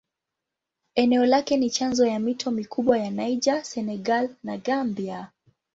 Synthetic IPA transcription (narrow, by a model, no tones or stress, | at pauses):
ɛnɛɔlakɛnit͡ʃanzɔjamitʰɔmikʰuɓwajanajd͡ʒasɛnɛɡalnaɠambia